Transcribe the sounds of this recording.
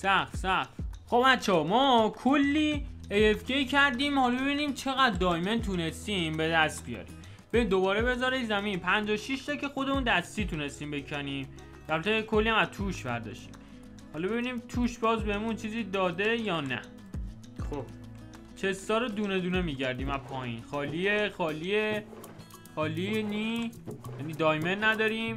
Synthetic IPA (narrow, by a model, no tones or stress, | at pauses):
sæχsæxxobbæt̪t͡ʃʰːɒmɒːkʰolːiːejefcecʰæɾd̪iːmhɒːlɒbe̞biːniːmt͡ʃʰe̞ɣæd̪ːɒːjment̪ʰune̞st̪iːmbe̞d̪æst̪̚bijɒ̰ɾḭːm | b̥eiːmd̪obɒːɾebe̞zɒɾejzæmiːnpʰænd͡ʒɒːʃiʃt̪ʰɒkʰe̞xo̞d̪emuːnd̪æst̪iːt̪ʰuːne̞st̪iːmbe̞cʰæniːm | d̪̥ælvæt̪ʰekʰo̞lːiæmæzt̪ʰuːʃvæɾd̪ɒ̰ʃt̪i̥̰ːm | hɒlɒbe̞biːniːmt̪ʰuːʃbɒːzbehemunt͡ʃʰiːziːd̪ɒːd̪e̞jɒːnæ̰ | χob | t͡ʃʰe̞st̪ɒːɾod̪uːne̞d̪uːne̞miːɟæɾd̪iːmæpʰɒːjḭːnxɒːliexɒːlie | xɒːlinijæniːd̪ɒːjmenːæd̪ɒːɾiːm